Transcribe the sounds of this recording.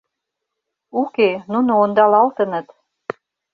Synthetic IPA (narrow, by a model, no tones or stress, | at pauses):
ukenunoond̪ɑlɑlt̪ə̆nə̆t̪